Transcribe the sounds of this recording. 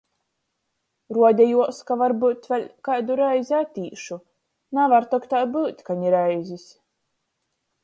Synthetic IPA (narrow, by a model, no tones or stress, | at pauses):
ɾuɔd̪ʲɛjuɔskavaɾbɨːt̪vʲɛlʲkajd̪uɾajzʲat̪ʲiːʃu | navaɾt̪ɔkt̪aːbɨːt̪ʲkaɲiɾajzʲisʲ